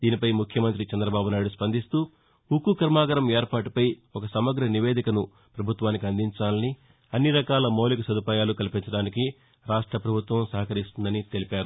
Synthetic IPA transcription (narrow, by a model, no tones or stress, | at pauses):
d̪̥iːnipɐjmukʰjɐmɐnt̪̬ɾit͡ʃɛnd̪ɾɐbaːbunaːjɽuspɐnd̪ist̪uː | ukukɐɾmaːɡɐɾɐmeːɾpaːʈipɐjɔkɐsɐmɐɡɾɐniʋeːd̪ikɐnu | pɾɐbʱut̪ʋaːnik̬iɐnd̪ʱiɲt͡ʃaːlɐni | ɐnːiɾɐkaːlɐmoːlikɐsɐd̪upaːjaːlukɐlipint͡ʃɐɽaːniki | ɾaːʂʈɾɐpɾɐbʱut̪ʋɐmsɐɦɐkɐɾist̪und̪ɐnit̪e̞lipaːɾu